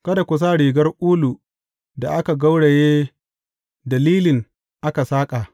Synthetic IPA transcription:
kɐ˦da˨kʷʊ˨s̬aː˦ɽiː˨ɡɐ˦rʔuː˦lu˨ | da˨ʔa˦ka˨ɡa˦wɽe˨jeː˦ | dɐ˨liː˦lɪ˨ŋ | ʔa˦ka˨saː˦kʼa˨ʔ

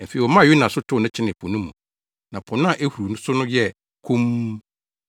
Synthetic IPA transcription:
m̩˨fe˨i˨ɔ˨mã˦˨jʊ˦nã˨sʊ˦tʰʊ˦˨nʊ̃˦t͡ɕʰɪ˦nɪ̃˨pʰɔ˨nũ˦mːũ˨ | nã˨pʰɔ̃˨ñ˦a˨ʔe˦hu˨ɾu˨nʊ̃˦sʊ˦nʊ̃˦jɛ˦ | kʰũ˦m˦

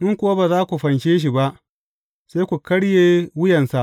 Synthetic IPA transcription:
ʔɪ˦ŋkʷʊ˦wa˦baː˨zaː˦kʷu˨ɸɐ˨nʃeː˦ʃ̬i˨ba˦ʔ | se˦kʷu˨kɐ˦ɽjeː˦wʊ˦jɐ˨nsa˨ʔ

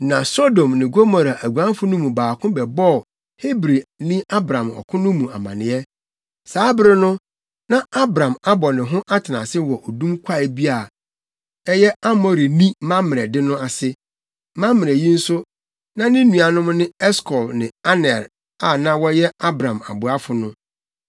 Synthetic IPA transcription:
nã˨so˦dõ˨mnɪ̃˨ɡo˦mɔ˨ɾa˨ʔæ˨ɡu˨ã˦n˦fʊ˦nʊ̃˦mũ˨baː˨kʰʊ̃˦bɛ˨bɔ˦˨ | he˦bɾi˨nĩ˦a˦bɾã˨mɔ̰˨kʰʊ̃˦nʊ̃˦mũ˨a˨mã̰˨nɪ̃˨ɛ˦ | saː˦bɪ˦ɾɪ˦nʊ̃˦ | nã˦a˦bɾã˨ma˦bɔ˨nɪ̃˨ɦʊ̃˦ʔa˦tʰɪ˨nã̰˨sɪ˦wɔ˨ʔo˨dũ˦mkʷʰa˦˨bi˦a˨ | ɛ˦jɛ˦a˦mɔ˨ɾi˨nĩ˦mã˦mɪ̃˨ɛ˨dɪ˦nʊ̃˦a˨sɪ˦ | mã˦mːɪ̃˨ɾɛ˨jĩ˦n̩˦sʊ˦ | nã˦nɪ̃˦nũ˨a˨nʊ̃˦m˦nɪ̃˦ɛ˦skʰɔ˨lnɪ̃˨a˦nɛ˨ɾ | a˨nã˦wɔ˦jɛ˦a˦bɾã˨ma̰˨bʊ˨a˦fʊ˨nʊ̃˦

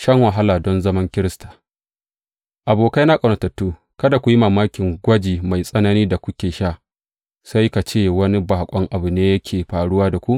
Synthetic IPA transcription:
ʃɐ˦ŋwɐ˨ɦa˦laː˨dɔ˦nzɐ˦mɐ˦ŋkʲɪ˦ɾɪ˦stḁː˨ | ʔa˨boː˨ka˦jna˦kʼɐ˨nɐ˨tɐ˨tːuː˦ | kɐ˦da˨kʷu˨ji˦maː˨maː˦kʲɪ˨ŋɡʷɐ˦d͡ʒiː˨ma˨jsʼɐ˦nɐ˦niː˦da˨kʷʊ˦kʲeː˨ʃa˦˨ | sa˦jka˨t͡ʃeː˦˨wɐ˦ni˦ba˨ha˨kʷʼɔ˦ŋʔa˨bu˨neː˦jɐ˦kʲʰeː˨ɸaː˨ɽʊ˦waː˦da˨kʷu˦ʔ

